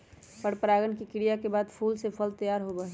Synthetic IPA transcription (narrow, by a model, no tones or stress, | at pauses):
pəɽpɾaːɡənkikɪɽijakebaːd̪pʰuːlsepʰəlt̪əjaːɾɦobəɦ